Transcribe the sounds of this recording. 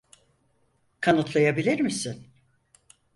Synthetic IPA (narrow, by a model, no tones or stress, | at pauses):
kʰanɯt̪ʰlˠajabilʲiɾmisɪn